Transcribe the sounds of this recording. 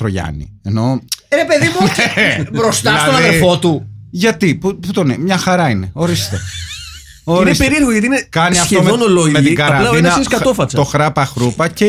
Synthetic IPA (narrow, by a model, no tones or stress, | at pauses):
ɾoʝɐ̰nḭeno̞ɾe̞pe̞ðimuebɾost̪ɐilsɐðonɐiðeɾfo̞t̪uʝɐt̪ipuput̪onimɲɐxɐɾɐineo̞ɾist̪e | o̞ɾɾinestpeɾieɾɣoɣɐt̪inekɐniɐftomeonolomet̪iɡɐɾɾɐnlɐinnɐsskɐt̪ofɐsɐt̪oxɾɐpɐxɾupɐce